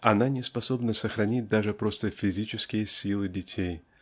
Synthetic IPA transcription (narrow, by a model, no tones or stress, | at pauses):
ɐnanʲɪspɐso̞bnəsəxɾɐnʲit̚ʲd̪aʐɨpɾo̞st̪əfʲɪzʲit͡ɕɪskʲɪjəsʲilˠɨdʲɪtʲʰej